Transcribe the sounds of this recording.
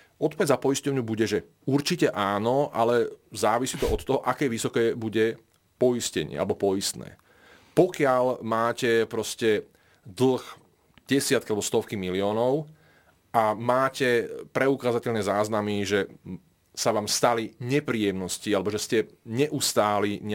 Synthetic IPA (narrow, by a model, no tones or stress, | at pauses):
ʔɔt̪̚pɔʋɛɟzapɔiscɔʊɲubuɟɛʒɛ | uɾt͡ʃicɛʔaːnɔʔa̰lɛzaːʋisiːt̪ɔɔt̪t̪ːɔɦɔʔakɛːʋisɔkɛːbuɟɛ | pɔiscɛɲɪɛ̰a̰lɛbɔpɔist̪nɛ̰ː | pɔkɪalmaːcɛpɾɔscɛ | d̪l̩x | ɟ̥ɛsɪat̪kialɛbɔst̪ɔfkimiliɔːnɔʊ | ʔamaːcɛpɾɛukaːzacɛlnɛːzaːznamiʒɛ | saʋaːmst̪aliɲɛpɾiːjɛmnɔscialɛbɔʒɛscɛɲɛʔust̪aːliɲ